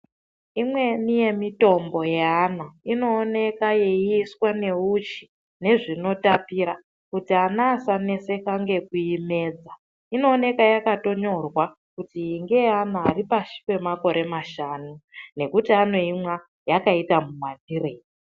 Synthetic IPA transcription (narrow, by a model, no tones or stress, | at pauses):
imwe̞nije̞mito̞mbo̞jeanaino̞ːne̞kaje̞iswane̞ut͡ʃi̥ | ne̞ʐino̞tapiːɾa | kutianaːsane̞se̞kaŋɡe̞kuime̞ːd͡za | ino̞ːne̞kajakato̞ɲo̞rwa | kutiːŋɡe̞anaːripaʃi̥pe̞mako̞ɾe̞maʃaːnune̞kutiano̞imwa | jakaitamumandire̞i